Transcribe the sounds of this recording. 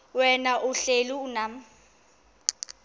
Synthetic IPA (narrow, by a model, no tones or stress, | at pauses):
wɛnaʔuɬeluːnam̩